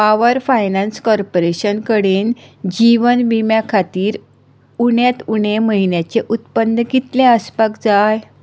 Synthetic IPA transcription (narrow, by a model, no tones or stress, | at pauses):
paʋəɾfajnãnskɔɾpoɾeɕənkəɽend͡ʑiʋənʋimjakʰat̪iːɾ | uɳjat̪uɳeməɦinjat͡ɕeʔut̪pənːəɡit̪lẽəspakd͡zaj